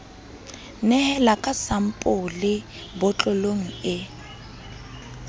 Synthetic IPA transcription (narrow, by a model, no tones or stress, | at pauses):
nɛhɛlakʼasam̩pʼʊlɪ | bʊt͡ɬʼʊloŋ̩ɪ